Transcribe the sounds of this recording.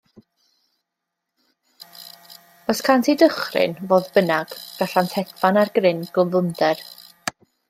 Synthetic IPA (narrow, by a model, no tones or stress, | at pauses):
ɔskʰantʰidəχrɪ̰nvoːðbənaɡ̥ɡ̥aɬantʰɛɡvanarɡrɪnɡ̥əvʊndɛr